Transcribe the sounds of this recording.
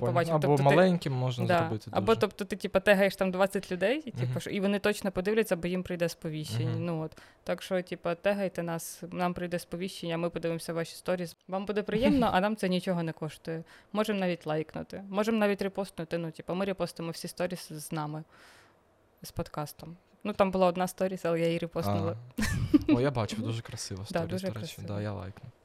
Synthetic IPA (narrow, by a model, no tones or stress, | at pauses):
pɔbɑb̪ɔɔɔmɐlˠɛnʲkʲɪmːɔʒndzd̪ɑɾɔbɪt̪ɪɐ̰bɔt̪ɔpt̪ɔt̪ɪtʲipɐt̪ɛɦɐjeʃt̪ɑmd̪ʋɑt͡sʲɐtʲlʲʊd̪ɛjtʲipɐʃɔ̰iʋɔnɪt̪ɔt͡ʃnɔpɔd̪ɪʋlʲɛt͡sʲːɐbɔjimpɾɪjd̪ɛspɔʋʲiʃt͡ʃenʲːɐnuɔt̪ː | ɑkʃɔtʲipɐt̪ɛɦɐjt̪ɛnɑsnɑmpɾɪjd̪ɛspɔʋʲiʃt͡ʃːenʲːɐmɪpɔd̪ɪʋɪmsʲɐʋɑʃʲi̥st̪ɔɾʲiːzʋɑmbud̪ɛpɾɪjɛmnɔʔɐnɑmt̪ɛnʲit͡ʃɔɦɔnɛkɔʃt̪ʊjɛmɔʒɛmnɑʋʲitʲlˠɑjknʊ̰t̪ɪmɔʒɛmnɑʋʲitʲrɪpɔst̪nʊt̪ɪnutʲipɐmɪɾʲɪpɔst̪ʊemɔwsʲist̪ɔɾʲisznɑmɪ | spɔd̪kɑst̪ɔm | nut̪ɑmbʊlˠɑɔd̪nɑst̪ɔɾʲisɐlˠɛjajiɾɪpɔsnʊlˠɪ | ɔjabɑt͡ʃkɐd̪uʒɛkɾɐsɪʋɐsd̪ɑɾd̪ʲuʒɛkɾɐsɪd̪aja̰lˠɑ̰jknʊ